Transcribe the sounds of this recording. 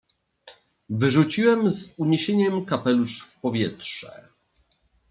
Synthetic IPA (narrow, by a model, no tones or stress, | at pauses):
vɘʐut͡ɕiwɛmzuɲeɕeɲɛmkapɛluʂfpɔvʲjɛtʂɛ̰